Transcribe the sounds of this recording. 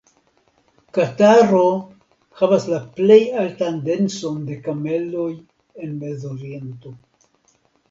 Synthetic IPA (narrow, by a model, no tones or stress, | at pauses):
kataɾo | havaslaple̞jaltande̞nso̞nde̞kame̞lo̞j | e̞nme̞zoɾie̞nto̞